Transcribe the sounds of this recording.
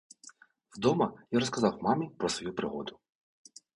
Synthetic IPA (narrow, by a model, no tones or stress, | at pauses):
wd̪ɔmɐjaɾɔs̬kɐzɑwmɑmipɾɔsʋɔjupɾɪɦɔ̰d̪ʊ